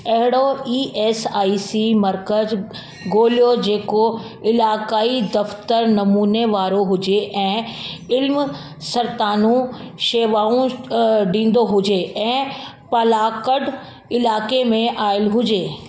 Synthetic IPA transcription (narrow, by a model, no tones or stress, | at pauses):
ɐɦɪɽoiːʔɛːsaːisimɐɾkəz | ɡoːljod͡ʑeːko | ɪlaːkaːid̪ɐft̪əɾnɐmuːneʋaːɾoɦʊd͡ʒeʔɛ̃ːɪlm | sɐɾt̪aːnũʃeːʋaːũɖĩːn̆d̪oɦʊd͡ʒeɛ̃ː | pɐlaːkəɖ | ɪlaːkemẽʔaːɪlɦʊd͡ʒeː